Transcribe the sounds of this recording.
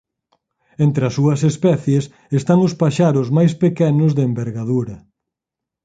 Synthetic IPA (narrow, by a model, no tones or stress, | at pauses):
ent̪ɾeɐsuɐsespɛθjes | est̪aŋʊspaʃaɾʊzmajspekɛnʊzðeembeɾɣaðuɾɐ